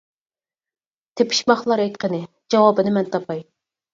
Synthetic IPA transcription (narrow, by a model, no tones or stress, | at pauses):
t̪ʰepʰi̥ʃmɑχlˠɑɾɛjt̪̚qʰənɪ | d͡ʒɑwɑbɨnɪmɛnt̪ʰɑpʰɑj